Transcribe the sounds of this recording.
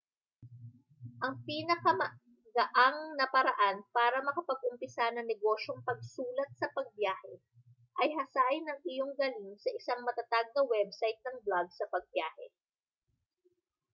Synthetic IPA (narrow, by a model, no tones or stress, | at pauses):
ʔɐŋpiːnɐkɐmɐ | ɡɐʔaŋnɐpɐɾɐʔanpaːɾɐmɐkɐpɐɡ̚ʔʊmpɪsanɐŋnɛɡo̞ʃoŋpɐɡ̚suːlɐt̪̚sɐpɐɡ̚bjaːhɛ | ʔɐjɦɐsaːʔɪnɐŋʔɪjoŋɡɐliŋsɐʔɪsaŋmɐt̪ɐt̪aɡ̚nɐwɛb̚sajt̪̚nɐŋblaɡ̚sɐpɐɡ̚bjaːhɛ̰